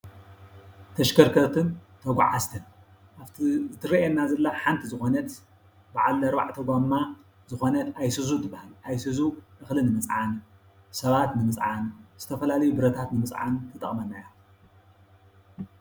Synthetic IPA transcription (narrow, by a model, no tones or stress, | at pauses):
t̪ʰɐʃkʰɐɾkʰɐt̪ʰɨnt̪ʰɐɡ̰ʷʕa̰zt̪ʰɨn | ʔaβt̪zɨt̪ʰɨɾɐjɛnːazɐlːaħant̪ʰizɨxo̞nɐt̪ | baʕalːɐɾba̰ʕt̪ʰɐɡamːa | zɨxo̞nɐt̪ajsɨzut̪ʰɨbːahalʔajsɨzuʔɨxlɨnɨmɨt͡sʼʕan | sɐβat̪nɨmɨt͡sʼʕanz̥ɨt̪ʰɐfɐlalɐjubɨɾɐt̪ʰat̪nɨmɨt͡sʼʕa̰nt̪ʰɐt̪ʼɐχʼmɐnːajo